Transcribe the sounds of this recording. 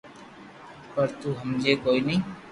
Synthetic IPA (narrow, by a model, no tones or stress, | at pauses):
pəɾt̪uɦəmd͡ʒekoːinəĩ